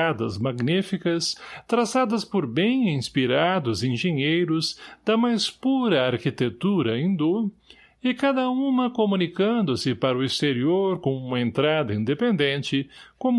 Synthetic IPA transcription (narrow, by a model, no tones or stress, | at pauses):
ad̪ɐzmaɡnifikɐst̪ɾazad̪ɐspoɾbẽj̃ĩspiɾad̪ʊzĩʒẽɲejɾʊzd̪ɐmajspuɾɐaɾkit̪et̪uɾɐĩnd̪ʊ | ɪkad̪ɐũmɐkomũnikɐ̃nd̪ʊsɪpaɾʊist̪eɾioɾkõũmɐẽnt̪ɾad̪ɐĩnd̪epẽnd̪ẽnt͡ʃɪkõm